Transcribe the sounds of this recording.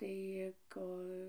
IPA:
tɐɪ ˈkoː

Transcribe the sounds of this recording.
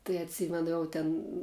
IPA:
tɐɪ ɐtʲˈsʲiːmʲɛnʊ ˈjɛʊ tʲɛn

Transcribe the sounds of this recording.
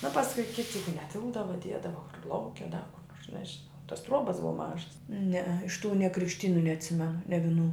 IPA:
nʊ pɐsˈkʊɪ ˈkʲɪtʲɪ ˈjɛɪɡʊ nʲɛˈtʲɪlˠbdɐʋɐ ˈdʲiɛdɐʋɐ kʊr ˈlˠɐʊkʲɛ dɐ kʊr ˈnoːrs nʲɛʒʲɪˈnɐʊ toːs ˈtruɔbɐs ˈbʊʋɐ ˈmɑːʒɐs nʲɛɛ ɪʃ tuː nʲɛ krʲɪkʃʲˈtʲiːnʊ nʲɛɐtʲˈsʲɪmʲɛnʊ nʲɛ ʋʲɪˈnuː

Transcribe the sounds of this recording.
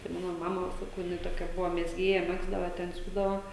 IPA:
tɐɪ ˈmɑːnoː ˈmɑːmɐ sɐˈkɐʊ jɪˈnɐɪ toːˈkʲɛ ˈbʊʋoː mʲɛzʲˈɡʲeːjɛ ˈmʲæːɡzdɐʋɐ tʲɛn ˈsʲuːdɐʋɐ

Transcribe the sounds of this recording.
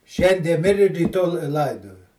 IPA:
ˈʃʲɛnʲdʲiɛ ˈmʲɪrʲɪ rʲiːˈtoː lˠ ˈlˠɐɪdoːjɛ

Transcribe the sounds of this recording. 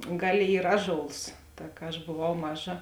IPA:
ˈɡɑːˌlʲeː ˈiːr ˈɑːˌʒoːlˠs ˈtɐ kɐ ɐʃ boːˈʋɐʊ ˈmɑːˌʒɐ

